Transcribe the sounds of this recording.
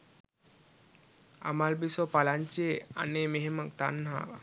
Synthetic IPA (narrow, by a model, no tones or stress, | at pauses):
a̰malbisopalaɲt͡ʃiea̰nemeɦemakt̪anːɦa̰ːʋa̰